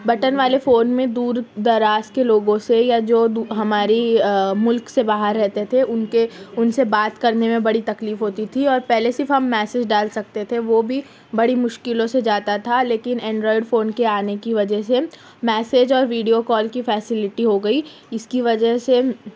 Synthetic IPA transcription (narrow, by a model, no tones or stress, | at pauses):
bɐʈənʋaːlefoːnmẽd̪uːɾd̪ɐɾaːskeloːɡõsejad͡ʒoːd̪uɦɐmaːɾimʊlksebaːɦəɾːɛɦt̪et̪ʰeʔʊnkeʊnsebaːt̪kɐɾnemẽbɐɽit̪ɐkliːfɦoːt̪it̪ʰiɔːɾpɛɦlesɪɾfɦɐmːɛːseːd͡ʒɖaːlsɐk̚t̪et̪ʰeʋoːbʱi | bɐɽimʊʃkɪlõsed͡ʒaːt̪at̪ʰaleːkɪnɛ̃ːɳɖɾɔːɪɖfoːnkeaːnekiʋɐd͡ʒəɦse | mɛːseːd͡ʒɔːɾʋiːɖijokɔːlkifɛːsɪlɪʈiɦoɡɐi | ɪskiʋɐd͡ʒəɦse